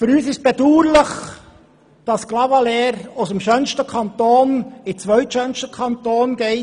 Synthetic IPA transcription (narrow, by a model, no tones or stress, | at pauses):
fʏɾyːsɪʃt̚b̥ɛduːɾləχ | d̥ɑsklɑvɑlɛːɾosəmʃœnʃtəkʰɑnt̪oːnɪt͡sʋœɥtʃœnʃtəkʰɑnt̪oːnɡ̥ɛɪ